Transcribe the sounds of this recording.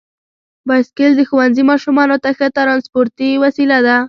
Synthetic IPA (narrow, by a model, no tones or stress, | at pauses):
bɑskeld̪əxuwanzimɑʃumɑnot̪axət̪ɾɑnspoɾt̪iwasilad̪a